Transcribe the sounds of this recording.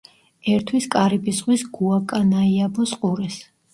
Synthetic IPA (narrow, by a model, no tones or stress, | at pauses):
ɛɾt̪ʰwiskʼaɾibisʁʼwisɡuakʼanaiabɔsqʼuɾɛs